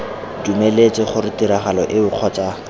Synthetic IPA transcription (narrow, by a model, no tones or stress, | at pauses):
dumelet͡sʼɪχʊrɪtiɾaχalɔʔɪbʊq͡χʰɔt͡ʃʼa